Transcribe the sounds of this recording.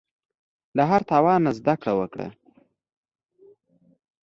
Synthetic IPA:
laɦaɾt̪ɑwɑnːazd̪akɽawəkɽa̰

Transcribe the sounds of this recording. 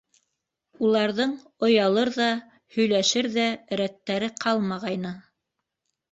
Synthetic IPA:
ulˠɑɾðɤɴ | ŏjɑlˠɤɾðɑ | hɵ̆jlæʃɘɾðæɾæt̪ːæɾɘqʰɑlˠmɑʁɑjnɤ

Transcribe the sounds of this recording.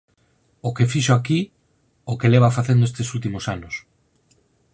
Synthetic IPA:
okefiʃoaki | okeleβ̞afaθend̪oest̪esult̪imosanos

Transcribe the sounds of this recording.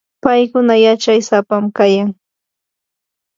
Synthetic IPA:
pajkʊnajat͡ʃajsapamkajaŋ

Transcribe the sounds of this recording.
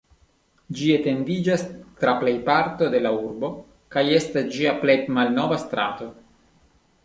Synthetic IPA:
d͡ʒiet̪e̞nd̪id͡ʒast̪ɾaplejpaɾt̪o̞d̪e̞lauɾbo̞ | kajest̪asd͡ʒiaplet̪malnovast̪ɾa̰t̪o̞

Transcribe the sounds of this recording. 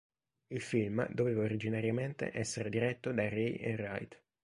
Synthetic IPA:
ilfilmd̪oveːvaoɾid͡ʒinaɾjament̪ḛʔɛsːeɾed̪iɾɛt̪ːod̪arejʔḛra̰jt̪

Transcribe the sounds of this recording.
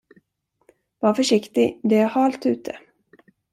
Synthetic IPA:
vɑɾfœʂɪkt̪ɪd̪ɛæɾhɑːlt̪ʉ̟ːt̪ʰə

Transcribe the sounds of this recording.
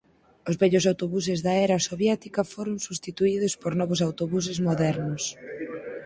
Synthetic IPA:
ʊzβɛʎʊs̬awt̪oβus̬ɪzðaɛɾɐsoβjɛt̪ikɐfoɾʊŋsust̪it̪uið̞ʊspoɾnɔβʊs̬awt̪oβus̬ɪzmoðɛɾnʊs

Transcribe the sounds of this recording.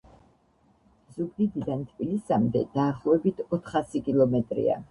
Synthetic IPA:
zubd̪id̪id̪ant̪ʰʼpʼilisamd̪ɛd̪̥aːχlˠɔɛbit̪ʰɔt̪ʰχasikʼilˠɔmɛt̪ʼɾḭa̰

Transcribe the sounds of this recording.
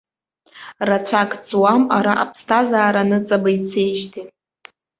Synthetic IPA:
rat͡ɕʷʰakʼt͡sʼwamaɾaʔa̰pʰstʰazaːɾanɨt͡sʼabait͡sʰejʒtʰi

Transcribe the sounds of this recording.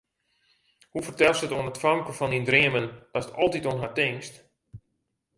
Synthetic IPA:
hufərtɛlˠsətoənətfaŋkəfɔnindriəməndɔsə̥tɔlˠtitonɦartɪŋst

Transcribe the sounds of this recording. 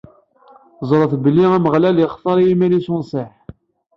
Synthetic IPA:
zˤɾˤəθbəlːiæməʁlæljəχθˤɑɾˤjimælisʊnsˤeħ

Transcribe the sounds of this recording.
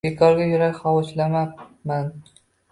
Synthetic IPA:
bekʰɒɾɡʲajʊɾakʲχɒwɒʃlamaman

